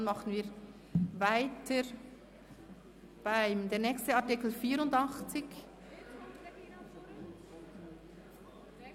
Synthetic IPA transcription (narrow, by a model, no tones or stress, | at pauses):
nmɑχən̩viːɾ | vaɪtʰəɾ | b̥aɪmdeːɾnɛːkstəaʁtɪkl̩fiːɾʊndɑχt͡sɪç